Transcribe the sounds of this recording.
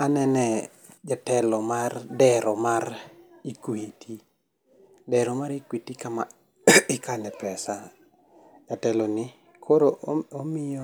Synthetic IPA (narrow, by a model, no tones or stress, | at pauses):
anɛnɛ | d͡ʒatɛlɔmardɛɾɔmarikwitʰi | dɛɾɔmaɾikwitikama | ɪkanɛpɛsa | d͡ʒatɛlɔnɪ | kʰoɾoʔomɪjɔ